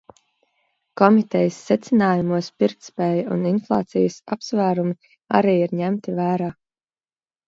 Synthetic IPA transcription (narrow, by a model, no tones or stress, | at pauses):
kɔmit̪ɛjəsːɛt̪sɪnaːjumuɔspiɾkt̪spɛːjṵninflˠɑ̰ːt̪sḭjəsapsvæːɾumi | a̰ɾiːiɾɲæmt̪ivæːɾaː